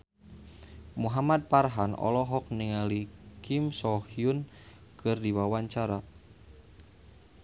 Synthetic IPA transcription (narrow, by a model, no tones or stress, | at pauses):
muɦamad̪̚parɦanɔ̰lɔɦɔk̚niŋalikimsɔhiun | kʰɨrdiwawaɲt͡ʃaɾa